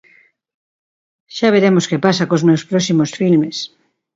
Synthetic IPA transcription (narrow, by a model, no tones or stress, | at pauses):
ʃaβ̞eɾemoskepasakozmewspɾosimosfilmes